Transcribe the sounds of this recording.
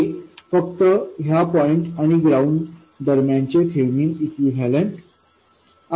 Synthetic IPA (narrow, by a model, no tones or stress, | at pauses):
fəkt̪əɦjapɔjiɳʈaɽ̃iɡɾawɳɖ | d̪əɾmjãnt͡ɕet̪ʰelmiːnikʋiʋʱɛlẽnʈ | a